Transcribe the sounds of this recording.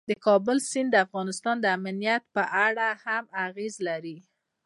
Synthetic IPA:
d̪əkɑbʊlsind̪əafɣɑnɪst̪ɑnd̪əamnijat̪̚pəʔaɽahamaɣezlaɾi

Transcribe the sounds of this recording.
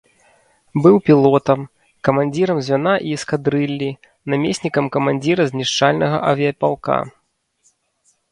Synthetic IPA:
bɨwpʲilˠɔt̪ɐm | kɐmanʲd͡zʲiɾɐmzʲvʲanaʔiskad̪ɾɨlʲːi | namʲesʲnʲikɐmkɐmanʲd͡zʲiɾɐzʲnʲiʂt͡ʂalʲnɐɣɐ̰ʔɐvʲiɐpʲalˠka̰

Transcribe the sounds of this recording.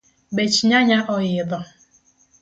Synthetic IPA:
bet͡ʃiɲaɲaʔɔjɪdɔ

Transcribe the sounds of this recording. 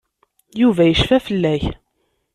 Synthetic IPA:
juvæjəʃfæfəlːæç

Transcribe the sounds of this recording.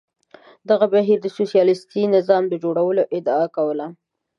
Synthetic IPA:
d̪aɣabaɦiɾd̪əsosijɑlɪst̪inɪzɑmd̪əd͡ʒoɽawəloʔɪd̪aakawəla

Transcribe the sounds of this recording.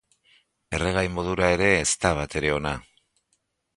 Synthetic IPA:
e̞re̞ɣajmo̞ðuɾae̞ɾe̞ːst̪aβ̞at̪e̞ɾe̞o̞na

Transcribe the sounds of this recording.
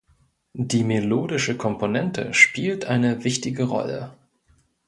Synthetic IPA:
diːmeloːdɪʃəkʰɔmponɛntʰə̰ʃpiːltʔaɪnəvɪçtɪɡəʁɔ̰lə̰

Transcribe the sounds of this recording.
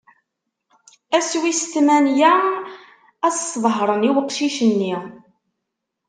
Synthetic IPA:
æswist̪mænjæ | æssðˤɦɾˤəniwəqʃiʃənːi

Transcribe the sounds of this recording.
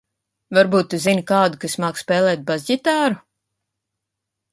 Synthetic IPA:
vaɾbuːt̪ːuzinikaːd̪ukasmaːkspɛːlˠɛːt̪̚bazʲɟit̪aːɾu

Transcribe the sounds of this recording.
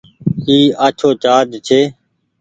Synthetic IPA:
kiːaːt͡ʃʰoːt͡ʃaːd͡ʒt͡ʃʰeː

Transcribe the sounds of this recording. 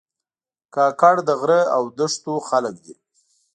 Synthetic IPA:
kɑkaɽd̪əɣɾəawd̪əʂt̪oxalək̚d̪i

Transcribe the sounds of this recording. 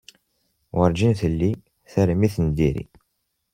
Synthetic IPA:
wəɾˤd͡ʒinθəlːi | θæɾmiθənd̪iɾḭ

